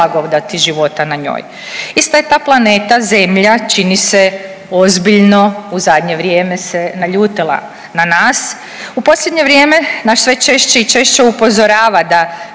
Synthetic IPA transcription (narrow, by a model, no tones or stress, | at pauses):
aɡoʋd̪at̪iʒiʋo̞t̪anaɲo̰ːj | ist̪ajet̪aːplˠane̞ːt̪aze̞mʎat͡ʃinise | o̞zbiʎno̞uzad̪ɲe̞ʋɾjeːme̞senaʎuːt̪ilˠa̰ | nanaːs | upo̞slʎʲe̞d̪ɲe̞ʋɾjeːme̞naʃsʋe̞t͡ʃeʃt͡ʃeit͡ʃe̞ʃt͡ʃeupo̞zo̞ɾaːʋad̪a